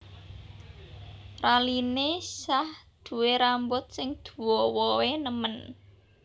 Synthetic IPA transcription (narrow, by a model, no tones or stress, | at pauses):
ralinesahd̪̥ṳweɾambʊt̪̚sɪŋd̪̥uṳwɔwɔwenəmən